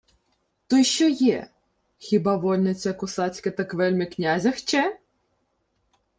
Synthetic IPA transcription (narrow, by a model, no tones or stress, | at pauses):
t̪ɔjʃt͡ʃɔjɛ | xʲɪbɑʋɔlʲnɪt͡sʲɐkʊsɑt͡sʲkɪt̪ɐkʋɛlʲmʲɪknʲazʲɐxt͡ʃɛ